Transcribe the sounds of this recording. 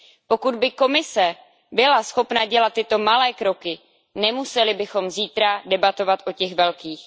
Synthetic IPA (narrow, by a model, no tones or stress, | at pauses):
po̞kud̪̚bɪko̞mɪsɛ | bɪlasxo̞pnaɟɛlat̪ːɪt̪o̞malɛːkɾo̞kɪ | nɛmusɛlɪbɪxo̞mziːt̪ɾadɛbat̪o̞vat̪ʔo̞cɛɣvɛlkiːx